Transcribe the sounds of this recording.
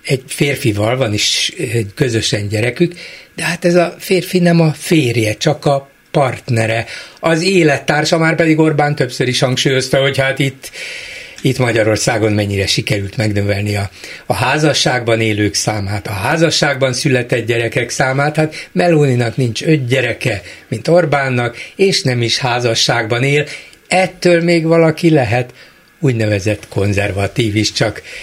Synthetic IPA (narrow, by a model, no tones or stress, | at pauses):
ɛɟfeːrfivɒlvɒniʃɛɟkø̞zø̞ʃɛɲɟɛɾɛkykd̪̥ɛɦat̪ɛzɒfeːrfinɛmɒfeːrjɛt͡ʃɒkɒ | pɒrt̪nɛɾɛɒzeːlɛt̪ːaːrʃɒmaːrpɛd̪iɡo̞rbaːnt̪øpsøɾiʃhɒŋkʃuːjo̞st̪ɛɦo̞chat̪it̪ː | it̪mɒɟɒɾo̞rsaːɡo̞nmɛɲːiɾɛʃikɛɾylt̪mɛɡnøvɛlniɒɒɦaːzɒʃːaːɡbɒneːløːksaːmaːt̪ɒɦaːzɒʃːaːɡ̚bɒnsylɛt̪ɛd̪ɟɛɾɛkɛksaːmaːt̪haːt̪mɛloːninɒknint͡ʃødɟɛɾɛkɛmint̪o̞rbaːnːɒkeːʃnɛmiʃhaːzɒʃːaːɡbɒneːl | ɛt̪ːøːlmeːɡʋɒlɒkilɛɦɛt̪ | uːɟnɛvɛzɛt̪ːkʰo̞nzɛrvɒt̪iːviʃt͡ʃɒk